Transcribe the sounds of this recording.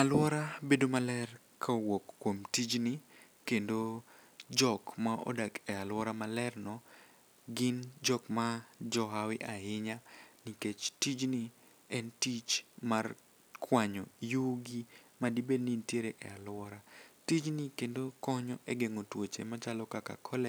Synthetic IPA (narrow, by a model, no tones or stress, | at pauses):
alwɔɾabedomalɛr | kʰawokːwomtid͡ʒni | kendo | d͡ʒɔkmaʔo̰dakɛalwɔɾamalɛrnɔ | ɡɪnd͡ʒɔkmad͡ʒɔɦawɪʔaɪɲaniket͡ʃtid͡ʒni | ɛntit͡ʃmar | kʰwaɲɔjuɡimadibenintjeɾeʔɛ̰alwɔɾatid͡ʒnikendokɔɲɔʔɛɡeŋotwot͡ʃemat͡ʃalɔkaka̰kʰɔlɛ